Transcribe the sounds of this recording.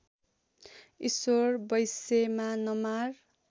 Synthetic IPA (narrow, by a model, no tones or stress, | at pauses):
isorbʌjsemanʌmar